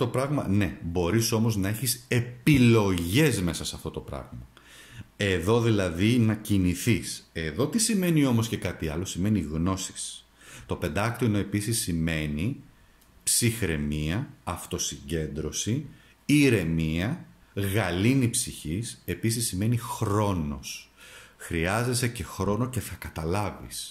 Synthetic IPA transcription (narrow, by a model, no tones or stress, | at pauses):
o̞pɾɐɣmɐne̞bo̞ɾiso̞mo̞znɐeçise̞pilo̞ʝe̞zme̞sɐsɐft̪o̞t̪o̞pɾɐ̰ɣmɐ | e̞ðo̞ðilɐðinɐciniθise̞ðo̞t̪isime̞nio̞mo̞sce̞kɐt̪iɐ̰lo̞sime̞niɣno̞si̥s | t̪o̞pe̞nd̪ɐkt̪oinoe̞pisisːime̞ni | psixɾe̞miɐɐft̪o̞siɲɟe̞nd̪ɾo̞si | iɾe̞miɐɣɐlinipsiçise̞pisisːime̞nixɾo̞no̞̰sxɾiɐze̞sece̞xɾo̞no̞ce̞θɐkɐt̪ɐlɐvḭs